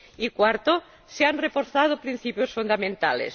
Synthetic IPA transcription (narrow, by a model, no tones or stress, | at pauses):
ikwaɾt̪o | seanrefoɾθað̞opɾin̟θipjosfund̪amẽnt̪a̰lḛs